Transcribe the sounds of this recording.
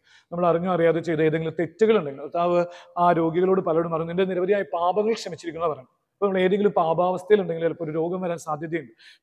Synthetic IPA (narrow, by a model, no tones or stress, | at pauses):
nɐmːɐɭɐriɲːuɐrijaːðet͡ɕe̞jt̪ɨe̞ːðeŋɡilumt̪e̞tːuɣɐɭuɳɖe̞ŋɡilkrɐt̪ʰːaːʋɨaːɾo̞ːɡjiɣɐɭo̞ːɽɨpɐlɐɽumɐrɐɲːuindeniɾɐʋɐðijaːjipaːbɐŋːɐɭkʂɐmit͡ɕːiɾikʲːunːɐpɐrɐːɳɐ | ɐpoːɐmɐɭe̞ːðe̞ŋɡilumpaːbaːʋɐst̪ʰɐjiluɳɖe̞ŋɡilɐlpːoɾuɾo̞ːɡɐmʋɐɾaːnsaːd̪ʱjɐðjɐjuɳɖɨ